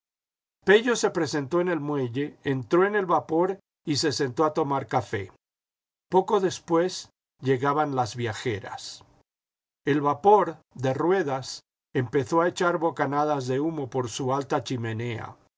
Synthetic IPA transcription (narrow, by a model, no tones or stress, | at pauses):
pe̞ʝo̞se̞pɾe̞se̞nt̪o̞ene̞lmwe̞ʝe̞ːnt̪ɾo̞ene̞lβapo̞ɾ | ise̞se̞nt̪o̞at̪o̞maɾkafe̞̰ | po̞ko̞ðe̞spwe̞z | ʝe̞ɣaβanlazβjaxeɾa̰s | elβapo̞ɾd̪e̞rwe̞ðas | empe̞θo̞aet͡ʃaɾβo̞kanaðazðe̞umo̞po̞ɾsualt̪at͡ʃime̞ne̞a̰